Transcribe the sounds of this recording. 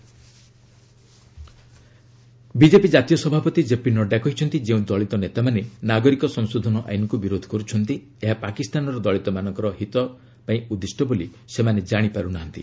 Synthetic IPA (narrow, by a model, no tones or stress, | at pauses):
bid͡ʒepid͡ʒat̪ijɔsɔbʱapɔt̪id͡ʒepinɔɖakɔɦit͡ʃʰɔnt̪id͡ʒeũd̪ɔɭit̪ɔnet̪amanenaɡɔɾikɔsɔŋsod̪ʱɔnɔʔa̰jnɔkubiɾod̪ʱɔ̥kɔɾut͡ʃʰɔnt̪i | eɦapakist̪anɔɾɔd̪ɔɭit̪ɔmanɔ̃ŋkɔɾɔɦit̪ɔ | paĩud̪isʈʰɔboli | semaned͡ʒaɽ̃ipaɾunaɦɔnt̪ḭ